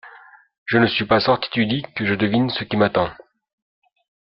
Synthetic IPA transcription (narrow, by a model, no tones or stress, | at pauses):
ʒənəsɥipasɔʁt̪i̥t̪yd̪ikəʒəd̪əvinsəkʲimat̪ɑ̃